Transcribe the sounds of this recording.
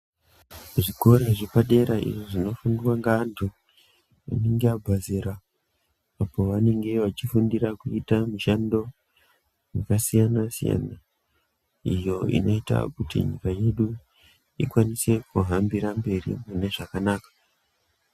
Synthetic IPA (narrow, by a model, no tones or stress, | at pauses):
ʐiko̞ɾeʐipaɗe̞ɾaḭʐoʐino̞fundwaŋɡaːntʰu | ʋa̰ne̞ŋɡeabʱazeɾaː | po̞ʋane̞ŋɡe̞ʋat͡ʃifundirakuitamiʃando̞ | makasijanasija̰na | ijo̞ḭno̞ita̰kutḭɲikaje̞ɗu | ikwanise̞kuɦambiɾambe̞rḭmune̞ʐakanaːkḁ